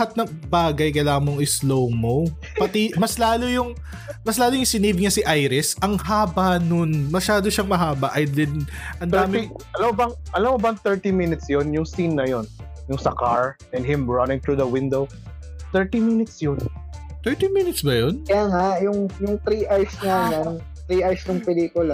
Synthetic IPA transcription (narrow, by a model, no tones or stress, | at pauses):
hat̪̚nɐŋbaːɡɐjkɐlaːɐŋmoŋɪslowmo | pɐt̪ɛmɐslaːlojʊŋ | mɐslaːlojʊŋsɪniːbɪŋɲɐsiʔajɾɪsʔɐŋhaːbɐnonmɐʃaːd̪oʃaŋmɐɦaːbɐʔɐjd̪ɪnʔɐnd̪aːɪʔɐlamobɐŋʔɐlamobɐŋt̪ɛɹt̪imɪnɪt̪sjonjʊŋsinːɐjonjʊŋsɐkaɹʔɛnɦɪmɹɐnɪŋt̪ɹuðɐwɪ̃nd̪ow | t̪ɛɹt̪imɪnɪt̪sjont̪ɛɹt̪imɪnɪt̪sbɐjonkɐjaːŋajʊŋjʊŋt̪ɾiːʔaɹsnanan | t̪ɾiːʔaɹsnɐŋpɛliːkʊla